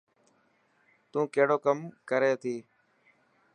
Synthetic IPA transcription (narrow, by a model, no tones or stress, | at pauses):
t̪ũːkeːɽoːkəmkəɾeːt̪ʰiː